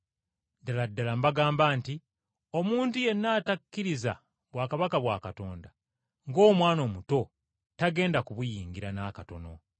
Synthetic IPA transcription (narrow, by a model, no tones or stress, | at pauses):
daladːalambaɡaːmbaːnti | o̞muːntuje̞nːaːtakːiɾiza̰ | βwaːkaβakaβwa̰ːkato̞ːnda | ŋɡo̞ːmwaːno̞ːmuto̞ | taɡe̞ːndakuβujiːŋɡiɾanakato̞no̞